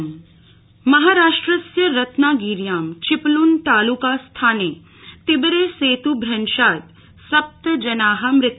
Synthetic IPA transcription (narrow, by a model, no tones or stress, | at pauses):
mɐɦaːɾaːʂʈɾɐsjɐɾɐt̪naːɡiːɾjaːmt͡ʃɪpluːnt̪aːluːkast̪ʰaːneː | t̪ɪbɾeːseːt̪ubʱɾɐnʃaːt̪ | sɐp̚t̪ɐd͡ʒɐnaːɦɐmɾɪt̪ː